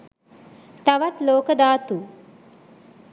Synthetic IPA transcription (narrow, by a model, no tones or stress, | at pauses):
t̪ɐʋat̪loːkəd̪aːt̪u